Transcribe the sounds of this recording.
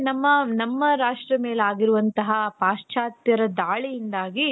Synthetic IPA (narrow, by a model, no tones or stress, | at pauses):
nɐmːɐnɐmːɐɾaːʂʈɾɐmeːleaːɡiɾuʋɐnt̪ɐɦɐpaːʂt͡ʃʰaːt̪jɐɾɐd̪aːɭijind̪aːɡi